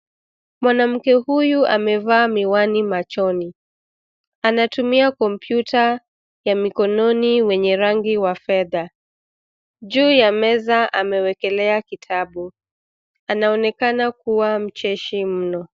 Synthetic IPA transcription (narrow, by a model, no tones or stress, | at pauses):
mwanam̩kɛhujuʔamɛvaːmiwanimat͡ʃɔni | anatumiakɔmpjutʰa | jamikɔnɔniwɛɲɛɾaŋɡiwafɛða | ʄuːjamɛzaʔamɛwɛkɛlɛakitʰaɓu | anaɔnɛkanakuwam̩t͡ʃɛʃim̩nɔ